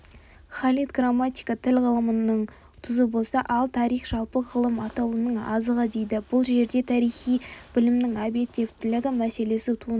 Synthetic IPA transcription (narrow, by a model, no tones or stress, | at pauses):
χɑlijt̪ɡramːat̪ʲijkɑt̪ʰɪlʁəlˠəmənəɴ | t̪ʰʊzəbo̞lˠsɑʔɑlˠt̪ʰɑɾijχʒ̥ɑlˠpəʁəlˠəmɑt̪ɑwənəɴɑ̰zəʁɑd̪e̞jd̪ɪb̥ʊlˠʒe̞ɾd̪e̞t̪ʰɑɾijχijb̥ɪlɪmnɪŋɑbe̞t̪ːe̞vt̪ɪlɪɡʲɪmæse̞le̞sɪt̪ʰun